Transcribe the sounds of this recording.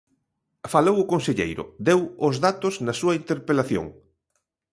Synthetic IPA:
falowʊkonseʎḛjɾʊ̰d̪ewʊzðat̪ʊznɐsuɐint̪eɾpelaθjo̰ŋ

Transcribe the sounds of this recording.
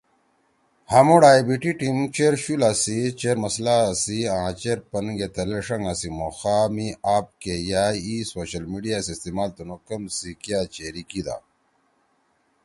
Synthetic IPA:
hamoɽaːjbiʈiʈimt͡ɕeɾɕulasit͡ɕeɾmɐslasiãt͡ɕeɾpɐnɡet̪ɐleʂɐŋasimoxaːmiaːp̚kejaːisoːɕɐlmiɖijasist̪imaːlt̪unokɐmsikjaːt͡ɕeɾikid̪a̰ː

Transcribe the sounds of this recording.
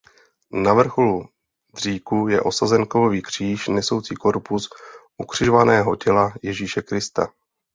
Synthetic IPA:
navr̩xolu | dr̝iːkujɛ̰ʔo̞sazɛŋko̞voviːkr̝̥iːʃnɛso̞wt͡siːko̞ɾpusʔukr̝̥ɪʒovanɛːɦo̞cɛlajɛʒiːʃɛkɾɪst̪a̰

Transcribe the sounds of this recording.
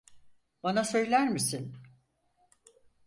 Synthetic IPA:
banasø̞jlʲæɾmisin

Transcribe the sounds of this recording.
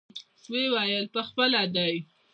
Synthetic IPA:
wewɑjəlpəxpəlad̪aj

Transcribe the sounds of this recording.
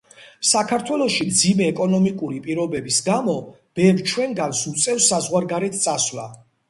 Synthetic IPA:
sakʰaɾt̪ʰwɛlˠɔʃimd̪zimɛːkʼɔnɔmikʼuɾipʼiɾɔbɛbisɡamɔ | b̥ɛvɾt͡ʃʰwɛŋɡansut̪sʼɛfsːazʁwaɾɡaɾɛt̪ʰt̪sʼasla̰

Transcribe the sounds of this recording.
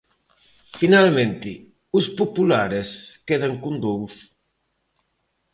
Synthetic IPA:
finalmẽnt̪i | uspupulaɾeskeðaŋkund̪ows

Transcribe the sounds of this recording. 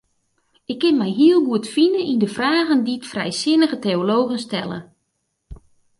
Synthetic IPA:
ɪkːɪnmɛjɦiəlˠɡuətfinəʔindəfraːɣənditfrɛ̰jsɪnəɣəteoloːɣənstɛlˠə̰

